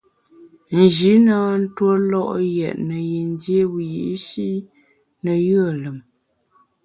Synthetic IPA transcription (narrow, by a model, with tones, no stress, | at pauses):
n̩˨d͡ʒi˨˦na˦˨˦n̩˦two˦lɔ˦ʔjɛ̰˨ʔnə˨je˨n˦dje˦wji˨ʔʃi˦ | nə˨jə˦˨lə˨m